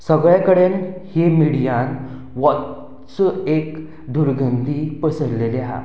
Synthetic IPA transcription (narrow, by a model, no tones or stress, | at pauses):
səɡɭjakəɽenhemiɽijãn | ʋɔt̪ | t͡səek | d̪uɾɡənd̪ipəsəɾleleɦa̰